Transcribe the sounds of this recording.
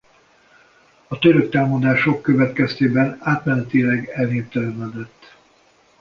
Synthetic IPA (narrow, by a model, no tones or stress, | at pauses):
ɒt̪øɾøk̚t̪aːlmɒd̪aːʃo̞kːøvɛt̪kɛst̪eːbɛnaːt̪mɛnɛt̪ilɛɡɛlneːft̪ɛlɛmɛd̪ɛt̪ː